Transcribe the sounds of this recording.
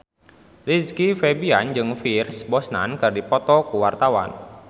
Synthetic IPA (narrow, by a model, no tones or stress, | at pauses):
liskifebiand͡ʒɨŋfirsbɔsna̰nkɨrdipɔt̪ɔkuwart̪awa̰n